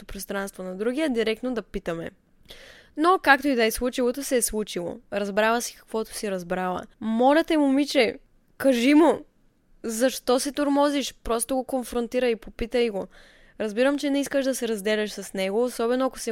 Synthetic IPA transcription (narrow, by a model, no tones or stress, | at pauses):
t̪opɾost̪ɾanst̪vonɐd̪ɾuɡiɛd̪iɾɛk̚t̪nod̪ɐpit̪əmɛ̰ | nokak̚t̪oid̪ɐislˠut͡ʃilˠot̪osɛslˠut͡ʃilˠo̰ɾɐzbɾavəsi̥kɐ̥kvɔt̪o̥siɾɐzbɾavə̰mɔlʲɛt̪ɛmʊmit͡ʃɛ | kɐʒimʊ | zɐʃt̪ɔsɛt̪oɾmɔziʃpɾɔst̪oɡokonfɾont̪iɾəipopit̪əjɡo | ɾɐzbiɾəmt͡ʃɛnɛiskəʃd̪ɐsɛɾɐzd̪ɛlʲɛʃsɐsnɛɡoːsɔbɛnoɐko̥sɛ